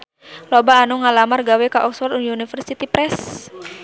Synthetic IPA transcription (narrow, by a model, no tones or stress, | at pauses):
lobaːnuŋalamarɡawɛkaʔɔksfɔrt̪uniunifərsit̪ipɾɛs